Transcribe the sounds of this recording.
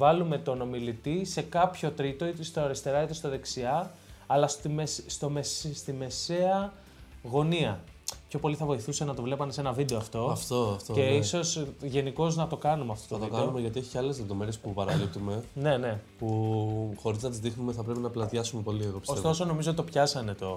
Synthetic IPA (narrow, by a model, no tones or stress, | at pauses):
vɐlume̞t̪o̞no̞milit̪ise̞kɐpço̞t̪ɾit̪o̞it̪est̪oɐɾist̪e̞ɾɐit̪est̪oðe̞ksiɐɐlɐst̪imesst̪o̞messt̪ime̞se̞ɐ | ɣo̞niɐ | pço̞po̞liθɐvo̞iθusenɐt̪o̞vle̞pɐmesenɐvid̪e̞ɐft̪o̞ɐft̪oɐft̪ce̞iso̞sʝe̞niko̞znɐt̪o̞kɐnumeɐft̪o̞t̪oɐvt̪oikɐonumeʝɐt̪ie̞çi̥cɐle̞zleðo̞meɾiespupɐɾɐlipt̪ume̞ne̞ne̞puxo̞ɾiznɐt̪izðixnumeθɐpɾe̞pinɐplɐt̪jɐsumepo̞lieɣopisost̪o̞so̞no̞mizot̪it̪opçɐsɐne̞t̪o̞